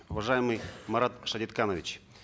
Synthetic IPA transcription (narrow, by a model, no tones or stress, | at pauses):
ʊvɐʐajɪmɨjmɐɾat̪ʂɐdʲɪt̪kanəvʲɪt͡ɕ